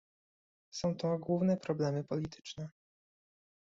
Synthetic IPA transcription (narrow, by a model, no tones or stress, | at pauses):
sɔ̃w̃t̪ɔɡwuvn̪ɛpɾɔblɛmɘpɔlʲit̪ʰɘ̥t͡ʂnɛ